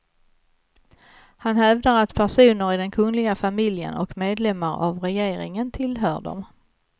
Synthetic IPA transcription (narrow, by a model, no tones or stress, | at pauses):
hanhɛvd̪aɾat̪pʰæʂuːnəɾɪd̪ɛnkʰɵŋlɪɡafamɪljə̰nɔ̰kmeːd̪lɛmːaɾa̰vɾɛjeːɾɪŋənt̪ʰɪlɦœːɖɔ̰m